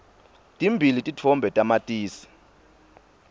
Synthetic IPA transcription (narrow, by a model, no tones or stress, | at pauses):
tʼimbʱilitʼitʰɔmbʱɛtʼamatʼiːsi̥